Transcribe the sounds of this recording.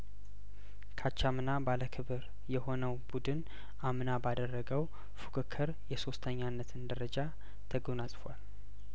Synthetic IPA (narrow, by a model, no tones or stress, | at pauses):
kʰat͡ʃːamɨnabaləkʰɨβɨɾ | jɛho̞nəwbud̪ɨn | amnabad̪ərːəɡəw | fukʰɨkʰːɨɾjɛso̞st̪ʰəɲːanːət̪ʰɨnd̪əɾəd͡ʒa | t̪ʰəɡonasʼfwal